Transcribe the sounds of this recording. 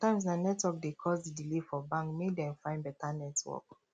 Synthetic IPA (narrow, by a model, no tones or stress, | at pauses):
tãɪ̃ms̬nanɛtwɔk̚dekʰɔsdidilefɔbãŋkmedɛ̃mfãɪ̃nbɛtanɛtwɔ̰k